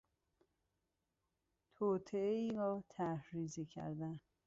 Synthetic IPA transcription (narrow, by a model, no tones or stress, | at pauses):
t̪ʰoːt̪ʰeeiːɾɒːt̪ʰæhɾiːzicʰæ̰ɾd̪æn